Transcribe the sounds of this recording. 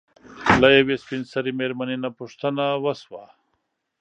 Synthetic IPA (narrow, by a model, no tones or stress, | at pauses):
lajewespinsɐɾimeɾmɐninapuʂt̪ɐnawɐswa